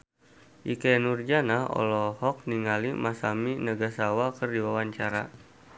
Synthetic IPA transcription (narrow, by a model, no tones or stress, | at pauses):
ʔikɛnurd͡ʒanaɦɔ̰lɔhɔk̚niŋalimasaminəɡasawakərdiwawaɲt͡ʃaɾa̰